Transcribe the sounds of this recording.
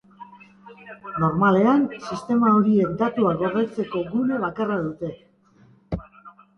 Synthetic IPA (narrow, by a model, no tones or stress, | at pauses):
no̞ɾmale̞ansist̪e̞maoɾie̞kd̪at̪uaɣo̞ɾðet͡se̞ko̞ɡune̞β̞akaraðut̪e̞